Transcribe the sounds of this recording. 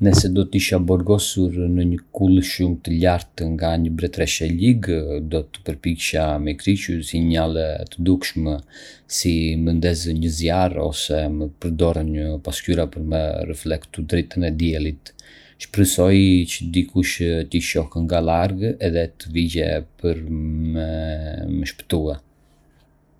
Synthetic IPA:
nɛsɛd̪ɔt̪əiʃabɔɾɡɔsuɾnəɲəkulˠʃumt̪əʎaɾt̪ŋɡaɲəbɾɛt̪ɾɛʃɛliɡd̪ɔt̪ə̥pəɾpikʃamɛkɾit͡ʃusiɲalɛt̪əd̪ukʃmɛ | simənd̪ɛzəɲəzjarɔ̰sɛməpəɾd̪ɔɾənɲəpascyɾapəɾmɛrɛ̰flɛkt̪ud̪ɾit̪ənɛd̪jɛlit̪ | ʃpɾəsɔjt͡ʃəd̪ikuʃt̪iʃɔhəŋɡalaɾɡɛðɛt̪əvid͡ʑɛ̰pəɾmɛməʃpə̥t̪uɛ

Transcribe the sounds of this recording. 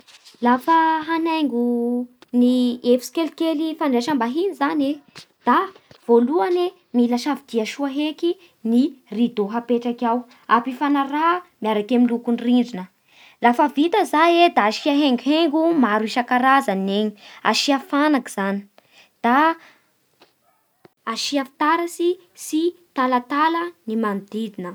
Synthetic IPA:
lafəɦanaŋɡuniefi̥si̥kelikelifaɳɖ͡ʐeʃambaɦinizane | d̪̥av̥oluane | milaʃavid̪̥iaʃuaɦeki | nirid̪oɦapeʈ͡ʂakʲaw | apifanaɾamiaɾakamilukunriɳɖ͡ʐinə | lafəvit̪əzajed̪aːʃiaɦeŋɡɦeŋɡumaɾuiʃakaɾazaneɲi̥a̰ʃiafanakiz̥ani̥ | d̪̥a | aʃiafi̥t̪aɾasi | sit̪alat̪alənimand̪id̪inə

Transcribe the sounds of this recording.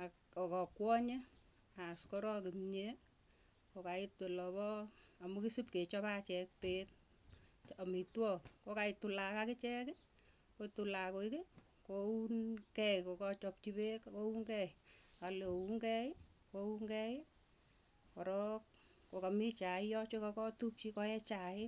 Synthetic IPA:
a | ɔkɔkwɔɲe | askɔɾɔkimɲe | kokaɪtwelɔβɔamukisipket͡ʃɔpat͡ʃɛk̚pet̚ | amitwɔkkokaɪtulakakɪt͡ʃɛkɪ | kotulakoɪkɪ | kounkɛkokɔt͡ʃɔp̚t͡ʃibekkouŋkɛɪalouŋɡɛɪ | kouŋɡɛj | kɔɾɔk | kokamit͡ʃaɪjɔt͡ʃokakɔtup̚t͡ʃikɔɛt͡ʃaɪ

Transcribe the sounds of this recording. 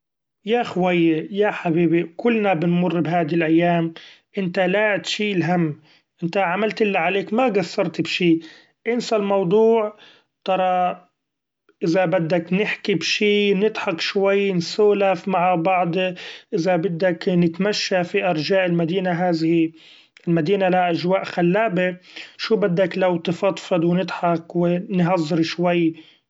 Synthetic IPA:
jaxwajːejaħabiːbikʊlːnabɪnmʊrˤːbɦaːd̪ilʔajːaːm | ʔɪnt̪alat̪ʃiːlɦamː | ʔɪnt̪aʕamalt̪ʔɪlːaʕaleːkmaɡasːɑɾˤt̪bʃiː | ʔɪnsalmɑwd̪ˤuːʕ | t̪ɑɾˤɑ | ʔɪzabɪd̪ːaknɪħkibʃiːnɪd̪ħɑkʃwajːnsoːlafmaʕabɑʕd̪ˤʔɪzabɪd̪ːaknɪt̪maʃːafiʔɑɾˤd͡ʒaːʔɪlmad̪iːnaɦaːðɪhi | ɪlmad̪iːnalaʔaʒwaːʔxalːaːbɪʃuːbɪd̪ːaklawt̪ɨfɑt̪ˤfɑd̪wnɪd̪ħɑkwɪnɦɑzˤːɨɾʃwajː

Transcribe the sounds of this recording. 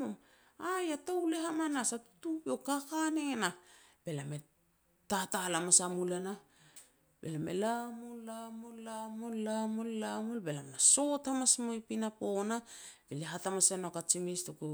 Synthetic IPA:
om | ajatawleɦamanasatu̥tubekakaneŋena | be̞lame | tatalamasamulana | bḛlamḛlamolːamolːamollamollamolbe̞lamnaso̞thamasmojpinapo̞nab̥eleɦatamasenokat͡ʃimistuku

